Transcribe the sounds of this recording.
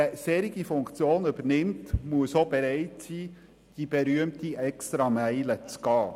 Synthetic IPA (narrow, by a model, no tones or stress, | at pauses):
əseːɾiɡifʊŋkt͡sjoːnybəɾnɪmtmuəsob̥eɾɛɪtsiː | d̥ib̥eɾyəmtiʔɛkst̪ɾɑmæɪlət͡sɡ̥ɑː